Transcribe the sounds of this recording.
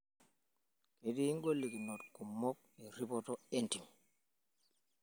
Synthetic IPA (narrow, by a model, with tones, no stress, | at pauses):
ke˨ɗi˦ŋɡo˦lːi˨ki˨nɔ˨tku˨mːɔ˦k̚ɛ˨ɾi˦pɔtɔenti˨ŋ